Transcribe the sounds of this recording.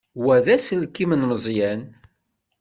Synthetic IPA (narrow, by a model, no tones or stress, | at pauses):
wæðæsəlkːimənməzˤjæn